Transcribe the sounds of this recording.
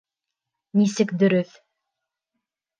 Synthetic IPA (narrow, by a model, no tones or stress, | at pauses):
nisɘkd̪ɵ̆ɾɵθ